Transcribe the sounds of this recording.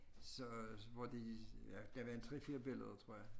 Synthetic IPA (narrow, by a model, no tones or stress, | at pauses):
sɒ̽ʋɒd̥ejæd̥æʋæɐent͡sʰʁɛ̰fiːɐb̥e̝ləð̞ˠɐt͡sʰʁo̝ɐ̰jɑ̈ɪ